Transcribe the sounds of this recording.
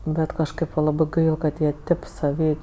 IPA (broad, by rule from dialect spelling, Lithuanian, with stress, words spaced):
ˈbʲɛt kɐʃˈkɜp ʋɐ ˈlˠɑːbɜ ˈkɐt jiɛ ˈtʲeːp sɐˈʋʲiː